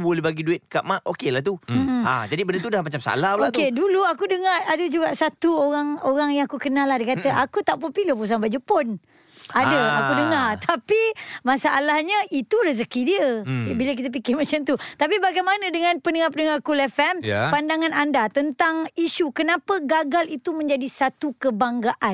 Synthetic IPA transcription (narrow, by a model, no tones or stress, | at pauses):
bolebaɡiduɪt̪̚ka̰ʔmaʔokelaht̪um̩a̰d͡ʒadibəndət̪udahmat͡ʃamsa̰lahloatkeduluakudəŋaradəd͡ʒuɡaʔsat̪uoɾaŋoɾaŋjaŋakukənalahdikat̪əʔakut̪aʔpunpilopus̬aŋbad͡ʒupʊn | adəakudəŋart̪ʰapimasaʔalahɲait̪uɾəs̬əkidiəbilək̬it̪̬ap̬ikɪrmat͡ʃamt̪ut̪ap̬ibaɡajmanãdəŋãnpənəŋap̬ənəŋarkulɛfɛmjpandaŋãnandat̪ənt̪aŋiʃukənapəɡaɡalit̪umə̃ɲd͡ʒadisat̪ukəbaŋɡaʔan